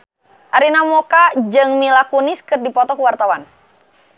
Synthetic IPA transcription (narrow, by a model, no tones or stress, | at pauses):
ʔaɾinamɔkad͡ʒɨŋmilakunɪskɨrdipɔt̪ɔkuwart̪awan